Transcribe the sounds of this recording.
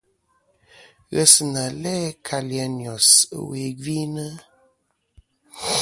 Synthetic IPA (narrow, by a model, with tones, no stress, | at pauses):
ɣə˨sna˨lɛ˦kʰa˨li˨a˨n˨ɔ˨swe˨ɡi˦nə˦